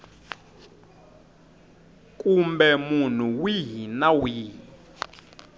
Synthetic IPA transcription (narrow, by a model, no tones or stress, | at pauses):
kʼumbɛmun̤uwiɦinawi